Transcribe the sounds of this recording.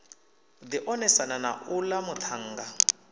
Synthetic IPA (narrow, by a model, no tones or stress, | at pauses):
d̪iʔɔnɛsanana̰ʔulamut̪ʰaŋ̩ːɡa